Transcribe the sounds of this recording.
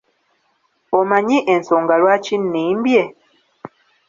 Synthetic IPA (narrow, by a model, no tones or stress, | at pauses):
omaɲĩʔɛn̩sɔŋɡalwat͡ʃinːĩm̩bjɛ